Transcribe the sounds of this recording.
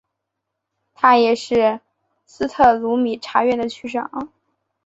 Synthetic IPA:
t̪ʰa˥jɛ˨˩ʂɻ̩˥˩ | sɹ̩˥t̪ʰɤ˥˩lu˧˥mi˨˩ʈ͡ʂʰa˧˥ɥɛ˥˩nd̪ə˩t͡ɕʰy˥ʂɤ̰˨˩˦ŋ

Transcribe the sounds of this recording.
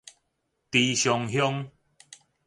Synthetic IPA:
t̪i˧ɕjɔ˧ŋɦjɔ˦ŋ

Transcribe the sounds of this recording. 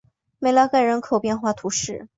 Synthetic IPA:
me˧˩ɪla˥ka˥˩ɪɻə˧˥nkʰo˨˩ʊpjɛ˥˧nxwa˥˩t̪ʰu˧˥ʂɻ̩˥˩

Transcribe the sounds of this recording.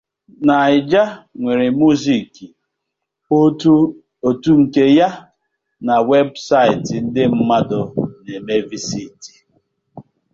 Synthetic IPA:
na˨ɪ˨d͡ʒa˦ŋʷe˨ɾe˨mu˦zi˨ki˨˦ | o˨tu˦ŋ̩˨ke˦ja˦ | na˨we˦bsa˦ɪ˨tɪ˨n̩˦dɪ˦m̩˦ma˦dʊ˨ne˨me˦vi˦si˦˨ti̥˨

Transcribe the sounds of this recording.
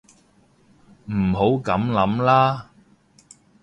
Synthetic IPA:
m̩˨˩ɦo˨˥wkɐ˨˥mlɐ˨˥mlaː˥

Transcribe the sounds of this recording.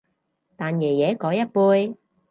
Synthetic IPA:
t̪aː˨njɛː˨˩jɛː˨˥kɔː˨˧˥jɐ˥t̚puː˧j

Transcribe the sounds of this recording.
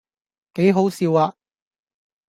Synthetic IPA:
ke˨˥jɦo˨˥wsiː˨˧waː˧

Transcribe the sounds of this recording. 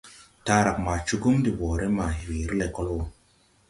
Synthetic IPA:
ta˦ɾa˨k̚ma˨t͡ʃu˦ɡu˦mdi˨bɔ˨ɾe˦ma˨hi˨wi˨˦ɾi˦le˨kɔ˦lo˨

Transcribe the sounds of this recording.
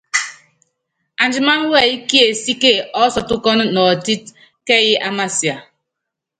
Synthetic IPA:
a˨n˨d͡ʒi˨ma˦n˦we˦˨i˦ki˦e˨si˦ke˦˨ɔ˦sɔ˨tʊ˦kɔ˦n˦nɔ˨ti˦t̚ | ke˦˨ji˦ʔa˦ma˦si˨a˨

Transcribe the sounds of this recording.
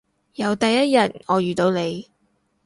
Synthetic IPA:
jɐ˨˧wt̪ɐ˨jːɐ˥t̚jɐ˨˩n̚ŋɔː˨˧jyː˨t̪o˨˧wne˨˧j

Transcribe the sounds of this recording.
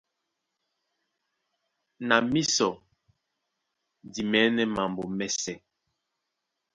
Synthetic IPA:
na˨mi˦sɔ˨ | di˨mɛ˨˦nɛ˦ma˨mbo˨mɛ˨sɛ˨

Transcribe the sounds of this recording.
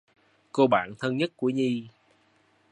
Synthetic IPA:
ko˧ɓa̰ː˧˨nt̪ʰə˧nɲə˦˥t̚ku˧˩əɲi˧

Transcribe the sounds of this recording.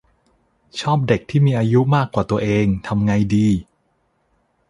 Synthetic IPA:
t͡ɕʰɔː˥˩p̚de˨˩k̚t̪ʰiː˥˩miː˧ʔaː˧ju˦˥maː˥˩kːwaː˨˩t̪u˧ɐʔeː˧ŋt̪ʰa˧mŋa˧jdiː˧

